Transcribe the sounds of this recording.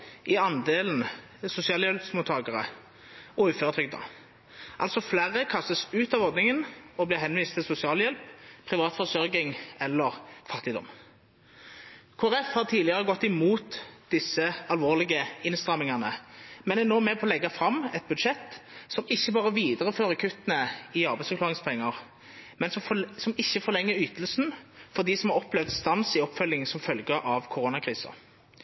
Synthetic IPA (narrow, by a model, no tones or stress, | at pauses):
ʔɪɑnd̪eːln̩ | sʊsɪɑːljɛlpsmuːt̪ʰːɑːɡəʁə̰ | ɔʉːføːʁt̪ʰʁʏɡ̚d̪ɑ̰ | ʔɑ̰lsɔflæːʁəkʰɑst̪əsʉːt̪ɑːʋɔʁd̪nɪŋənɔblɪʁɦɛnʋiːst̪ʰːɪlsʊsɪɑːljɛlppʰʁɪʋɑːt̪fɔʁsœɾɡɪŋɛlːəʁfɑt̪ːɪd̪ɔ̰m | kʰoːæʁɛfhɑːʁt̪ʰiːd̪lɪəʁəɡɔt̪ːɪmuːt̪d̪ɪsːəɑlʋoːʁlɪɡəɪnst̪ʁɑmɪŋɑnəmɛnɛnoːmɛpʰɔːlɛɡːɑfɾɑmːɛt̪̚bʉd̪ʂɛt̪ːsɔmɪçːəbɑːʁəʋiːd̪əʁəføːʁəkʰʉt̪ːənəɪɑɾbæɪsfəʁklɑːʁɪŋspʰɛŋːəʁ | mɛnsɔmsɔmɪçːəfɔʁlɛŋːəɾyːt̪əlsnfɔʁd̪isɔmhɑʁɔplɛʋd̪st̪ɑnsɪɔpːfœljɪŋsɔmfœlɡəʔɑʋkʰʊʁoːnɑkʰɾiːsə̰